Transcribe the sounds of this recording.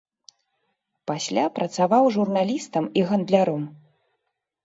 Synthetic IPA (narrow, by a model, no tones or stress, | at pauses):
pasʲlʲapɾɐt̪savawʐurnalʲist̪ɐmiɣɐnd̪lʲaɾɔm